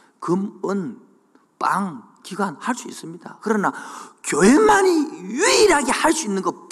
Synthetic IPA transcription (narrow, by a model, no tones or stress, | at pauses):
kɯmɯn | paŋ | kiɡwanhaɭs͈uis͈ɯmɲida̰kɯɾʌnakjoɦemaɲijiiɾaɡe̞haɭs͈uinːɯnɡʌp